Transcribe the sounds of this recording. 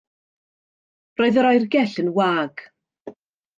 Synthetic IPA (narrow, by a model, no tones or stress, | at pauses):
roːɨðəɾɔjrɡɛɬənwaːɡ̥